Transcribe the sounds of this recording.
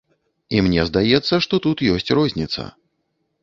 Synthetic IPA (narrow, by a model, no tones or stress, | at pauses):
imnʲɛzd̪ajɛt̪sːɐʂt̪ɔt̪ut̪jɔsʲt͡sʲrɔzʲnʲit̪sɐ̰